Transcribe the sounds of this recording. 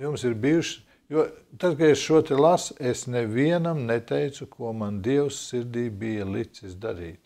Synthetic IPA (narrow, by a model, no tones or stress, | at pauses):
jumsiɾbijuʃ | jut̪ad̪kaesʃuɔt̪ɛlˠasesnɛviɛnamnɛt̪ɛjt̪sukʰuɔmand̪iɛwsːiɾd̪ʲiːbijɐlˠit̪sisd̪aɾḭːt̪